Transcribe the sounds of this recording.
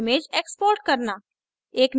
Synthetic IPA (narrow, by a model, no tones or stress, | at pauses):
mẽd͡ʒeːkspoːɾʈ̚kɐɾna | eːkm